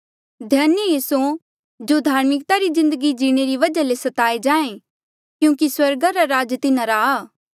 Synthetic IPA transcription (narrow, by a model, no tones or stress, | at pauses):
d̪ʱjaːnjəjiːsu | d͡ʒod̪ʱaːɾmɪkt̪aɾizɪ̃nd̪əɡid͡ʒiːɽ̃eɾiʋɐd͡ʒalesɐt̪aːed͡ʒãːẽ | kjũːkiswɐɾɡaɾaɾaːd͡ʒt̪ɪnãɾaːaː